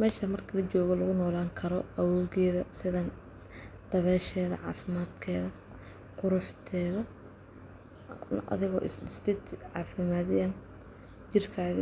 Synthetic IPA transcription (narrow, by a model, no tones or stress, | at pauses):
mɛːʃɐmɐrkʰɐlɐt͡ʃɔːɣɔlɐɣʊnɔːlaːŋkʰɐɾɔʔɐwɔːɣɛːðɐsɪðɐn | d̪̥ɐβɛːʃɛːðɐ̰ʕɑ̰ːfɪmaːd̪kʰɛːðɐ | qʊɾʊħt̪ʰɛːðɐ | ʔɐ̰ðɪɣɔ̰ːʔɪsɖɪst̪ʰɪd̪ʕɑːfɪmaːðɪjan | d͡ʒɪrkʰaːɣɐ